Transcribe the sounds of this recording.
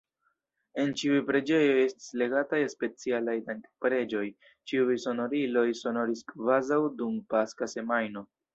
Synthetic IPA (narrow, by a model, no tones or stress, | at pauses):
e̞nt͡ʃiujpɾe̞d͡ʒe̞jo̞je̞sti̥sle̞ɡatajspe̞t͡sialajdaŋkpɾe̞d͡ʒo̞j | t͡ʃiujso̞no̞ɾilo̞jso̞no̞ɾiskvazawdumpaskase̞majno̞